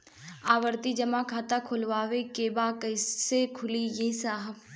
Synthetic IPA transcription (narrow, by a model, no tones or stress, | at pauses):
aːʋəɾt̪id͡ʒɐmakʰaːt̪akʰʊlʋaːʋekeːbaːkɐɪsekʰʊlijeːsaːɦəb